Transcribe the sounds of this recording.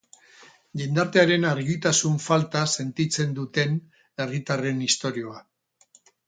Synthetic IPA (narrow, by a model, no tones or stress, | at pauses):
ʝend̪aɾt̪e̞aɾe̞naɾɣit̪asuɱfalt̪ase̞nt̪it͡se̞nd̪ut̪e̞n | e̞rit̪are̞nist̪o̞ɾio̞a